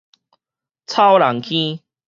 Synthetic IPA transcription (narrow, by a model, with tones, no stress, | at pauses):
t͡sʰa˦wla˨˦ŋkʰĩ˦